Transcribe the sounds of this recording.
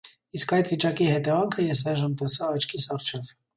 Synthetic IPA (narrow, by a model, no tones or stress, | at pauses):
iskɑjd̪vit͡ʃɑkihɛt̪ɛvɑŋkʰəjɛs̬ɑjʒəmt̪ɛsɑːt͡ʃʰkʰisɑrt͡ʃʰɛv